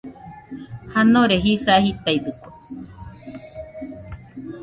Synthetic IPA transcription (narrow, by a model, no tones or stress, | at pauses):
hanõɾeɦisahit̪aid̪ɨko